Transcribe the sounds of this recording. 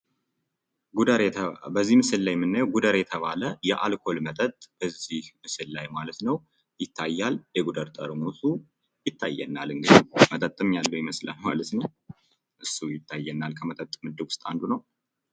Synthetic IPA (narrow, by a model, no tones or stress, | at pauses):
bəzːihmɨsɨlːajmɨnːajɛwɡud̪əɾjɛt̪ʰəβaləjɛʔalkʰo̞lmət̪ʼət̪ʼb̥əzihmɨsɨlːajmalət̪nəw | jɪt̪ʰːajːaljɛɡud̪əɾt̪ʼəɾmut̪u | jɪt̪ʰːajːɛ̰nːalɨŋɡɨd̪mət̪ʼət̪ʼːɨmjalːəwjɪməsla̰nma̰lət̪nəw | ʔɨsːujɪt̪ʰːajːɛnːalkʰəmət̪ʼət̪ʼːmɨd̪ɨɡwʊst̪ʼand̪unəw